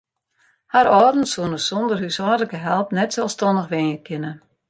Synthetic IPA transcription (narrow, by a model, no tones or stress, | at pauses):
haɾɔːrdn̩suənəsɔndərhysɔːdləkəɦɛlˠpnɛtsɛlˠstɔndəxʋɪnjəkʰɪnə